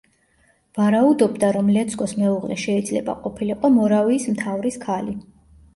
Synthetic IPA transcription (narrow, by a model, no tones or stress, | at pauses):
v̥aɾaud̪ɔbd̪aɾɔmlɛt̪sʰkʼɔsmɛuʁlʔɛ̰ʃɛid̪zlɛ̰ba̰qʼɔpʰiliqʼɔmɔɾaviːsmt̪ʰavɾiskʰali